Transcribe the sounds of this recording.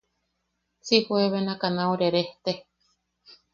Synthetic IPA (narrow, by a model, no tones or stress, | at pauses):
sihoeβenakanaoɾeɾeht̪e